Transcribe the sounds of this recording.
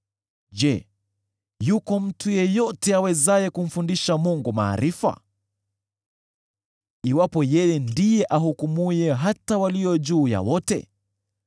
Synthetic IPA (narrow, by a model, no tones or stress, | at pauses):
ʄɛ | jukɔm̩tʰujɛjɔtɛawɛzajɛkum̩fundiʃamuŋɡuma̰ːɾifa̰ | iwapɔjɛjɛndijɛʔaɦukumujɛɦatawalijɔʄuːja̰wɔtɛ̰